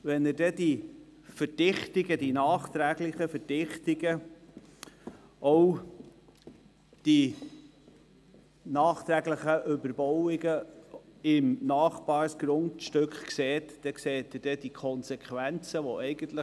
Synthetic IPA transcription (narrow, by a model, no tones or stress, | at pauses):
ʋɛnɪdɛdi | fəɾd̥ɪχtɪɡədinɑːχt̪ɾæɡlɪχəfəɾd̥ɪχtɪɡə | ʔɔw | d̥i | nɑːχt̪ɾæɡlɪχəʔʏbəɾbɔwɪɡə | ɪmnɑːχbɑːɾsɡ̥ɾʊntʃtøkχkseːtd̥ɛkseːt̪ɪd̥ɛd̥ikʰɔnsɛkʰʋænt͡səʋoɛɪɡ̥ənt̪lə